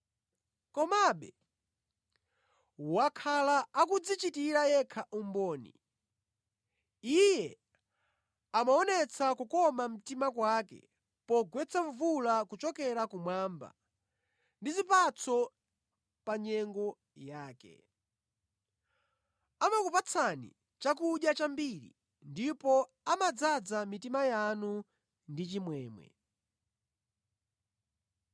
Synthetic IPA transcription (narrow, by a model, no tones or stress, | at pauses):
kɔmaɓɛ | wakʰalaːkud͡zit͡ʃitiɾajɛkʰaʔumbɔːnḭ | ijɛ | amaɔnɛt͡sʰakukɔmam̩timakwakɛ̰ | pɔɡwɛt͡sʰaɱvulakut͡ʃɔkɛɾakumwamba̰ | ndizipat͡sʰɔ | paɲɛŋɡɔ | jaːkɛ̰ | amakupat͡sʰanḭ | t͡ʃakuʄjat͡ʃambiɾḭ | ndipɔ | amad͡zad͡zamitimajanu | ndit͡ʃimwɛːmwɛ̰